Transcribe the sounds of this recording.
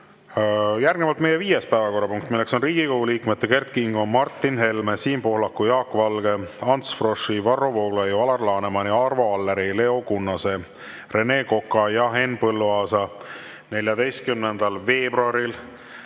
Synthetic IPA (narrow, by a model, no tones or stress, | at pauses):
jærɡ̥nevɑlt̪mejeviːje̞spæevɑko̞rːɑpuŋkt̪ːˑmilːekso̞nriːɡ̥ikoɡuliːkmet̪ːeke̞rt̪̚kiŋɡomɑrt̪ˑːinɦe̞lmesiːmpo̞hlɑkːˑujɑːkːˑvɑlɡe̞ɑnt̪sfro̞ʂivɑrːo̞vo̞ːɡ̥lejɑlɑrlɑːnemɑniɑrvoɑlːeɾile̞o̞kunːɑse̞ | re̞ne̞ːko̞kːˑɑjɑɦe̞npɤlːuɑːsɑ | ne̞lʲjɑd̪e̞jst̪̚kymnend̪̥ɑlve̞ːbruɑɾil